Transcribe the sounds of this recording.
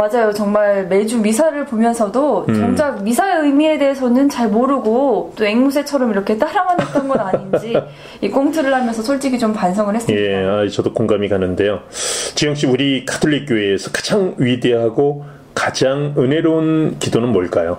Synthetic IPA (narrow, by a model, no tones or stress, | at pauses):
mad͡ʑajot͡ɕʌŋmaɭme̞d͡ʑumis̬ʰaɾɯɭpomjʌnsʰʌdot͡ɕʌŋd͡ʑak̚misʰaiɯjmie̞de̞esʰʌnɯnt͡ɕaɭmoɾɯɡot͈oeŋmus̬ʰe̞t͡ɕʰʌɾʌmiɾʌkʰe̞t͈aɾamanet͈ʌnɡʌdaɲind͡ʑi | ik͈oŋtʰɯɾɯɭhamjʌnsʰʌsʰoɭt͡ɕ͈iɡit͡ɕompansʰʌŋɯɭhes͈jeait͡ɕʌdokoŋɡamikanːɯnde̞jot͡ɕijʌŋkɕ͈iuɾikʰḁtʰoʎːik͈joeːsʰʌkḁd͡ʑaŋɥideɦaɡo | kad͡ʑaŋɯne̞ɾonkidonɯnmoɭk͈ajo